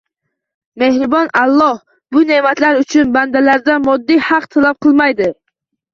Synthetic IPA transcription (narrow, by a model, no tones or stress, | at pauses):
me̞hɾɪbɒnalˠːɒh | bʊnemat̪laɾʊt͡ʃʰʊnband̪alaɾd̪amɒd̪ːijhɑqt̪ʰalap̚qʰɨlˠmajd̪ɪ